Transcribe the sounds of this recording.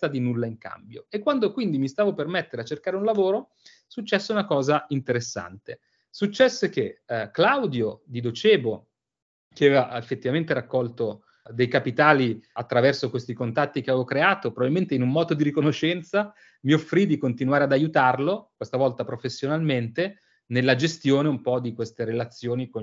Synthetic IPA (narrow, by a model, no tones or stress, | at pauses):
ad̪inulːaiŋka̰mbjoekːwand̪okwind̪imist̪aːvopermet̪ːeɾeat͡ʃːerkaːɾeunlavoːɾo | sut͡ʃːɛsːeunakɔːzaint̪eɾesːa̰nt̪e | sut͡ʃːɛsːek̟eklawd̪jod̪id̪ot͡ʃɛːbo | k̟eavevaefːet̪ːivament̪eɾakːɔlt̪o | d̪ejkapit̪aːliat̪ːɾavɛrsokwest̪ikont̪at̪ːikeavevokɾeaːt̪opɾobabilment̪einumːɔːd̪od̪iɾikonoʃːɛnt̪sa | miofːɾid̪ikont̪inwaːɾead̪ajut̪arlokwest̪avɔlt̪apɾofesːjonalment̪e | nelːad͡ʒest̪joːneumpɔd̪ikwest̪eɾelat̪sːjoːniko